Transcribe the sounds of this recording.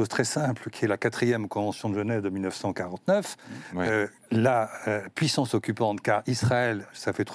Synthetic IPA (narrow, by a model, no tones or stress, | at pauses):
ozt̪χɛsɛ̃plkʲiɛlakat̪χijɛmkɔ̃vɑ̃sjɔ̃d̪əʒənɛvd̪əmilnəfsɑ̃kaʁɑ̃t̪nœfø | laøpɥisɑ̃sɔkʲypɑ̃t̪kaʁisχaɛlsafɛt̪